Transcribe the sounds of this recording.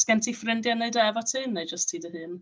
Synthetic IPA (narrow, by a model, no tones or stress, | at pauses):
sɡ̥ɛntʰifrɪndjanːeɨdɛvɔtʰɨːnːejd͡ʒəstʰiːdəhɨːn